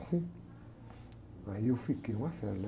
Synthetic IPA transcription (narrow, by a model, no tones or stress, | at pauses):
si | wajofikewʷafɛɾl